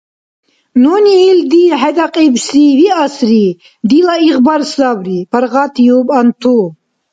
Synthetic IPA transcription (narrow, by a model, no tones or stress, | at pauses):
noniːld̪iħɛd̪aqʼibsiviasɾi | d̪ilaiɣbaɾsd̪abɾipʰɐɾʁat̪ʰjubant̪ʰu